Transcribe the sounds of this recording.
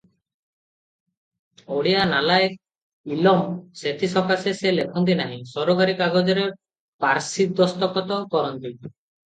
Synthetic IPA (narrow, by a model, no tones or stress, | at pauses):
oɽianalaj | ilɔmset̪ʰisɔkaseselekʰɔnt̪̬inaɦĩsɔɾoɡaɾikaɡod͡ʒɔɾe | paɾsit̪̚d̪ɔst̪ɔkɔt̪ɔkɔɾɔnt̪i